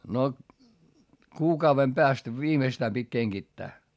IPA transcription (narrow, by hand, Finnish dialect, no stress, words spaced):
no kuːkɑuʋem peæst ʋiːmeĭstæː pitʲ keŋɡ̊itːæː